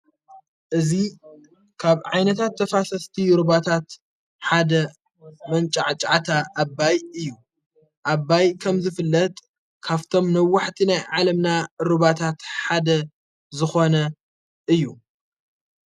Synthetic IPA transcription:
ʔɨzi | kʰaβʕajnɐt̪ʰat̪ʰːɐfasɐst̪ʰiɾɨβat̪ʰat̪ | ħad̪ɐ | mɐnt͡ʃʼaʕt͡ʃʼaʕat̪ʰaʔːbːajɨjːu | ʔaβːajkʰɐmzɨfɨlːɐt̪ʼ | kʰaβt̪ʰo̞mnɐwːaħt̪ʰinajʕalɐmnaɾɨβat̪ʰat̪ħad̪ɐ | zɨxo̞nɐ | ʔɨjːu

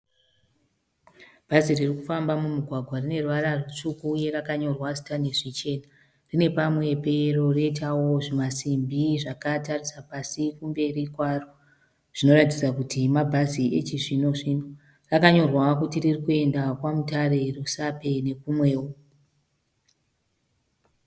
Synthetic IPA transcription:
b̥ʱaziririkufambamumuɡʱwaɡʱwarine̞ruʋaɾarut͡ʂukuːje̞rakaɲo̞rwasi̥tane̞ʐit͡ʃe̞ːna | rine̞pamwe̞pe̞ro̞reit̬awo̞ʐimasimbʱiʐakatarisapasikumbe̞rikwaro | ʐ̥ino̞ɾat̬id͡zakutʰimabʱaziʔet͡ʃiʐino̞ʐino̞ | rakaɲo̞rwakutiririkue̞ndakwamutare̞rusape̞ne̞kumwe̞ːwo

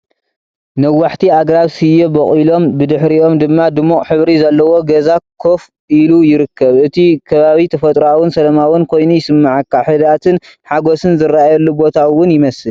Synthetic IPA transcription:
nɐwːaħt̪ʰiaɡɾaβsɨjebɐχʼilo̞mbɨd̪ɨħɾio̞md̪ɨmːad̪ɨmːukʼħɨβɾizɐlːɐwo̞ɡɐzakʰo̞f | ʔilujɪɾɨkʰːɐβʔɨt̪ʰikʰɐβaβit̪ʰɐfɐt̪ʼɾawɨnsɐlɐmawʊnkʰo̞jnujɪsɨmːaʕakːaħɨd̪at̪ʰɨn | ħaɡo̞sɨnzɨɾaajɐlːubo̞t̪ʰawʊnjɪmɐsɨl

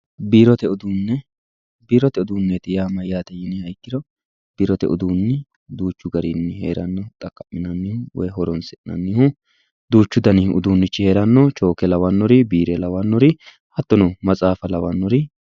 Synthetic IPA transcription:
biːɾɔt̪ɛʊd̪unːɛ | biːɾɔt̪ɛʊd̪uːnːɛt̪ɪjaːmɐjːaːt̪ɛjɪnːɪhɐjkːɪd̪ɔ | b̥iɾɔt̪ɛ̰ʔʊ̰d̪uːnːɪ | d̪uːt͡ʃːʊɡɐɾɪnːɪhḛːɾɐnːɔt̪ʼɐkːɐmːɪnɐnːɪhʊwɔ̰jɦɔɾɔnsɛʔɪnɐ̰nːɪhʊ | d̪uːt͡ʃːʊd̪ɐnɪʊ̰d̪uːnːɪt͡ʃːɪhe̞ːɾɐnːɔt͡ʃʼo̞ːkɛlɐwɐnːɔɾɪbiːɾɛlɐwanːɔɾɪ | hɐt̪ːɔnɔmɐt͡sʼaːfɐlɐwɐnːɔɾɪ

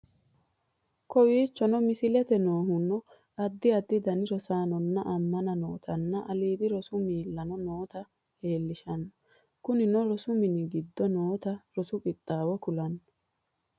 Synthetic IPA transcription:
kɔwiːt͡ʃːɔnɔmɪsɪlɛt̪ɛnoːhʊnːɔ | ɐd̪ːɪɐd̪ːɪd̪ɐnɪɾɔsaːnɔnːɐʔɐmːɐnɐnoːt̪ʰɐnːɐʔɐliːd̪ɪɾɔsʊmiːlːɐnɔnoːt̪ɐ | he̞ːlːɪʃɐnːɔ | kʊnɪnɔɾɔsʊmɪnɪɡɪd̪ːɔnoːt̪ɐɾɔsʊkʼɪt̪ʼːaːwɔkʊlɐnːɔ

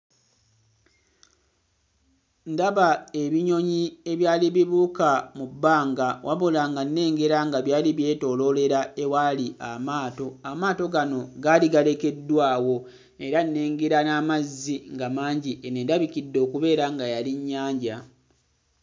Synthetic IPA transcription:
ndaβae̞βiɲo̞ɲie̞βjaːliβiβuːkamubːaːŋɡawʔa̰βolaŋɡanːe̞ːŋɡe̞ɾaŋɡaβjaːliβje̞ːto̞ːlo̞le̞ɾaewaːliʔamaːto̞amaːto̞ɡano̞ɡaliɡale̞ke̞dːwaːwo̞ | e̞ɾanːeːŋɡeɾanamazːiŋɡamaːɲɟiʔenendaβikidːo̞ːkuβe̞ːɾaŋɡajaliɲːaːɲɟa

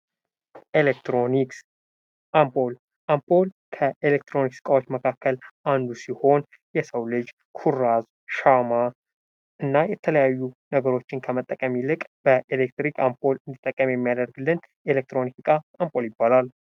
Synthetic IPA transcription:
ʔelekt̪ɾoniks | ʔampʰʼo̞l | ʔampʰʼo̞l | kʰəʔelek̚t̪ʰɾo̞nikskʼawot͡ʃːməkʰakʰːəlʔand̪usiho̞n | jɛsəwlɨd͡ʒ | kʰuraz | ʃama | ʔɨnːajɛt̪ʰələjajːunəɡəɾo̞t͡ʃːɪnkʰəmət̪ʼːəkʼəmilɨkʼb̥əʔelek̚t̪ɾikʰʼampʰʼo̞lɨnd̪it̪ʼːəkʼːəmjɛmːijad̪əɾɡlːɨn | elek̚t̪ʰɾo̞nikɨkʼaampʰʼoljɪbːalal

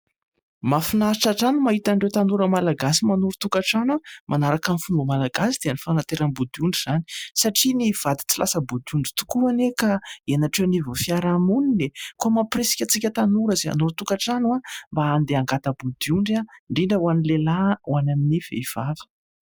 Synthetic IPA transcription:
mafinaiʈ͡ʂaʈ͡ʂanumaɦit̪aɳɖ͡ʐewt̪anuɾəmalaɡasimanuɾut̪ukaʈ͡ʂanamʔanaɾakamfumbəmalaɡasid̪̥eanifanat̪eɾanbud̪iuɳɖ͡ʐiz̥ani̥saʈ͡ʂiniv̥ad̪i̥t͡silasəbud̪iuɳɖ͡ʐi̥t̪u̥kuanekaieanaʈ͡ʂeanivofiaɾamuninekuamapresi̥kʲat͡sikʲət̪anuɾəzea̰nuɾut̪ukaʈ͡ʂanuambaːnd̪eaŋɡat̪əbud̪iuɳɖ͡ʐaɳɖ͡ʐiɳɖ͡ʐəwanilelawanaminiv̥ḛiv̥avə̥

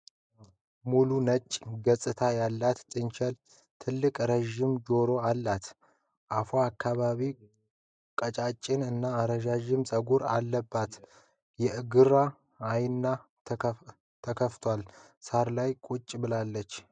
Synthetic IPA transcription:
mulunət͡ʃʼːɡəsʼɨt̪ʰajalːat̪t̪ʼɨnt͡ʃʰɛl | t̪ʰɨlːɨkʼɾəʒɪmd͡ʒo̞ɾo̞alːat̪ | ʔafoakʰːaβaβi | kʼət͡ʃʼat͡ʃʼːɪnɨnːaːɾəʒaʒɪmsʼəɡuɾalːəbːat̪ | jɛʔɨɡɨɾaː | jnːa | t̪ʰəkʰəft̪ʰwal | saɾlajkʼʊt͡ʃʼːbɨlalːət͡ʃː

